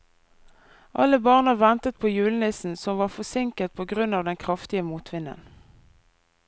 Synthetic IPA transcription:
ʔɑ̰ləbɑʁnəʋɛnt̪ət̪̚pʰoːjʉːln̩ɪsn̩sɔmʋɑːfɔsɪŋkət̪̚pʰoːɡʁʉnɑːʋd̪ɛnkʰʁɑft̪ɪəmuːt̪ʰʋɪnə̰n

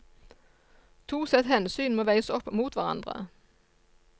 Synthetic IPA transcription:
t̪ʰuːsɛt̪hɛnsyːnmoːʋæɪəsɔpːmuːt̪ʋæʁɑ̰nd̪ʁə̰

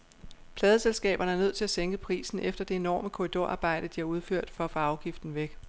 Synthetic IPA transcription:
pʰlɛːðˠəselsɡ̥ɛ̰ːb̥ɐnəæɐnøð̞̰ˠt͡sʰe̝læseŋɡ̥əpʰʁḭːsn̩ʔefd̥ɐd̥e̝enɒ̰ːməkʰo̝ʁid̥o̝ɐɑ̈ːb̥ɑ̈ɪ̰d̥əd̥iæ̈uð̞ˠføɐ̰d̥fɒ̽fɑɑ̈ʊɡ̥ifd̥n̩ʋeɡ̥

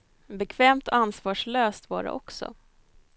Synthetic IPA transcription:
bɛkʰvɛːmt̪ɔansvɑːʂɭøːst̪vɑ̰ːɾa̰ʔɔksɔ̰

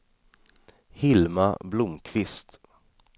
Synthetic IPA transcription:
hɪlma̰blʊmkʰvɪst̪

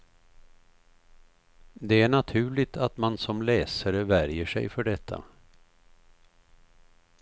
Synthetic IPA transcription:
d̪ɛæɳat̪ʰʉ̟ːɭɪt̪ʰat̪mansɔmlɛːsaɾəvæɾjəʂɛ̰jfœɖɛt̪ʰːa̰

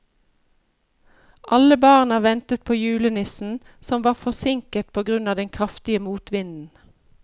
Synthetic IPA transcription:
ʔɑləbɑːʁnɑʋɛnt̪ət̪̚pʰoːjʉːlənɪsn̩ | sɔmʋɑːʁfɔsɪŋkət̪̚pʰoːɡʁʉnɑːd̪ɛŋkʰʁɑft̪ɪəmuːt̪ʋɪnd̪n̩

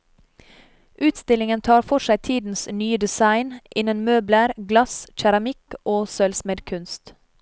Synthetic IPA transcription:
ʔʉːt̪st̪ɪlɪŋənt̪ʰɑːɾfɔʃæɪt̪ʰiːd̪n̩snyːəd̪ɛsɑɪnʔɪnənmøːbləɾɡlɑsc͡çæɾɑmɪkʔoːsœlsmɛd̪kʰʉnst̪

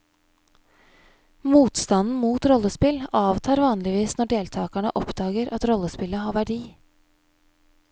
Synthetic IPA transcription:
muːt̪st̪ɑnn̩muːt̪ɾɔləspɪlɑːʋt̪ʰɑːɾʋɑːnlɪʋiːsnɔɖeːlt̪ʰɑːkæɳə̰ʔɔpd̪ɑːɡəɾʔɑt̪ɾɔlːəspɪləhɑːʋæɖiː

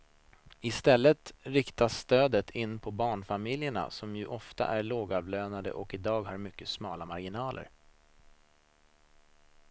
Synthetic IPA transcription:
ɪst̪ɛlːət̪ɾɪkt̪asːt̪øːd̪ət̪ʰɪnːpʰɔbɑːɳfamɪljəɳa̰sɔmjɵʔɔft̪a̰ʔæɭoːɡɑːvløːnad̪ə̰ʔɔkɪd̪ɑːɡhaɾmʏkːəsmɑːlamaɾɡɪnɑːlʔə̰ɾ

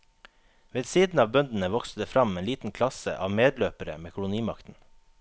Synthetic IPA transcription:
ʋeːd̪siːd̪n̩ɑːʋbœnd̪n̩əʋɔksəd̪əfɾɑmeːnliːt̪n̩kʰlɑsə̰ʔɑ̰ːʋmeːd̪løːpəɾə̰meːkʰʊlʊniːmɑkt̪n̩

